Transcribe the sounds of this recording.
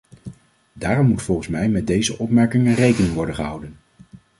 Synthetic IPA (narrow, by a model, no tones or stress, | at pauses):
daːrɔmːutfɔlˠχən̩smɛjmɛt̚dejzəʔɔpmɛɹkɪŋənrejkənɪŋʋɔɹdəχəɦʌwdən